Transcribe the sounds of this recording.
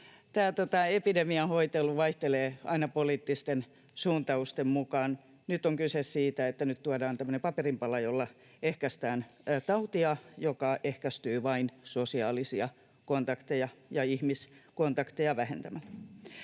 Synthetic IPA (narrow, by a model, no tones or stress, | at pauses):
t̪æːt̪ot̪ɑepidemiɑhoit̪elːuʋɑiht̪eleːɑ̰inɑpoliːt̪ːist̪en | suːnt̪ɑust̪emmukɑːn | nyt̪ːoŋkysessiːt̪æet̪ːænyt̪t̪uɑdɑːnt̪æmːø̆nempɑperimpɑlɑjolːɑ | ehkæst̪æːnt̪ɑut̪iɑjokɑʔehkæst̪yːʋɑinsosiɑːlisiɑ | kont̪ɑkt̪ejɑjɑihmiskont̪ɑkt̪ejɑʋæhḛnt̪æmælː